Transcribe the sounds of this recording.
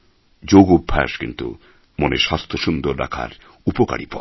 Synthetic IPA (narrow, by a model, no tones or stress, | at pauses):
d͡ʑoɡobʱːaʃkint̪ṵ | monḛʃast̪ʰoʃund̪oɾːakʰa̰ɾ | upoka̰ɽipɔ